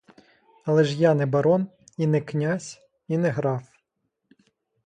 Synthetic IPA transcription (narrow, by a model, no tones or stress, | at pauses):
ɐlˠɛʒjanɛbɐɾɔn | inɛknʲasʲ | inɛɦɾɑw